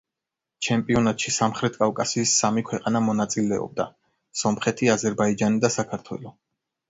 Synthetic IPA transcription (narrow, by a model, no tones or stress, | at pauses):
t͡ʃʰɛmpʼiɔnat̪ʃisamχɾɛt̪̚ʰkʼavkʼasiːsːamikʰwɛqʼanamɔnat̪sʼilɛɔ̰b̚d̪a̰ | sɔmχɛt̪ʰiazɛɾbaid͡ʒanid̪asakʰaɾt̪ʰwɛ̰lˠɔ